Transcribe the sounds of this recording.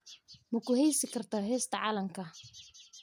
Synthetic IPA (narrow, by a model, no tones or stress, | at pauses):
mɐkʰʊhɛjsɪkʰɐrt̪ʰaːɦɛːst̪ʰɐʕɑːlɐmkʰɐ